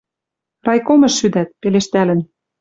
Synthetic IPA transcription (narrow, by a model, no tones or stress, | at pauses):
rɑjkomɤ̆ʃːyd̪æt̪̚peleʃt̪ælə̆n